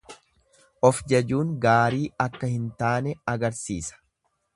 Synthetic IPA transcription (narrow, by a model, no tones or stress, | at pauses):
ʔɔfd͡ʒɛd͡ʒuːŋɡaːɾiːɐkːɐhɪnt̪aːnɛɐɡɐɾsiːsɐ̥